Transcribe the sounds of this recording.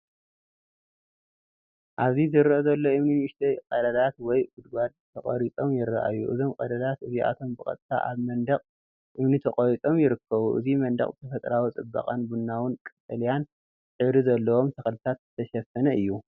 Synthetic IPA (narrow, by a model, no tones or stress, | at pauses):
ʔaβzizɨɾʔozɐlːo̞ʔɨmniɨʃt̪ʰɐjqʼɐd̪ɐlat̪wɔjɡʊd̪ɡad̪t̪ʰɐχʼɐ̰ɾit͡sʼo̞mjɪɾːɐ̰ʔa̰juʔɨzo̞mqʼɐd̪ɐlat̪ɨziʔa̰t̪ʰo̞mbɨkʼɐ̰t̪ʼt̪ʰa̰ʔaβmɐnd̪ɐqʼ | ʔɨmnit̪ʰɐqʼɐɾit͡sʼo̞mjɪɾɨkʰːɐβuʔɨ̰zimɐnd̪ɐ̰χʼzɨt̪ʰɐfɐt̪ʼɾawit͡sʼɨbːa̰qʼanbunːawʊnkʼɨt̪ʼɐlijan | ħɨɾizɐlːɐwo̞mt̪ʰɐxlɨt̪ʰat̪zɨt̪ʰɐʃɐfɐnɐʔɨjːu